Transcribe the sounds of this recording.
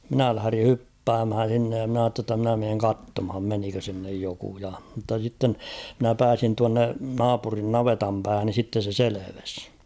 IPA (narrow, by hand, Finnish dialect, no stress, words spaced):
minæ læhæ̆ri hypːæːmhæn̞ s̞inːej jɑ mn ɑːtːe tːɑ mnæ meːŋ kɑtːomhɑm menikø sinːej joku jɑ mutːɑ sitːen mɪ̆næ pæːsin tuɑnːe nɑːpurin nɑʋetɑm pæːhæn ni sitːe se seleʋes